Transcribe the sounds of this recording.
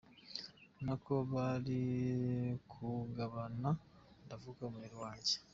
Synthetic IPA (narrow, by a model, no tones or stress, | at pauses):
nako̞βaɾi | kʰuɡaβana | ndavuːkamueɾiwaːɲɟe